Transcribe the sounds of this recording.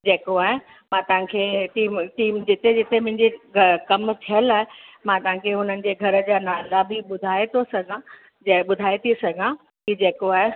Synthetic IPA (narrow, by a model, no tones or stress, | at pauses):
d͡ʑeːkoaːɦe | mãt̪ɐʋ̤ãkʰeːʈiːmʈiːmd͡ʑɪt̪ed͡ʑɪt̪emʊ̃ɦɪ̃ɲd͡ʑekɐmt̪ʰijəlaːɦemãt̪ɐʋ̤ãkʰeɦʊnənɪ̆d͡ʑeːɡʱɐɾəd͡ʑaːnaːlabɪɓʊd̪ʱaːet̪ʰosɐɡʱã | d͡ʑɓʊd̪ʱaːet̪ʰisɐɡʱã | kid͡ʑeːkoaːɦe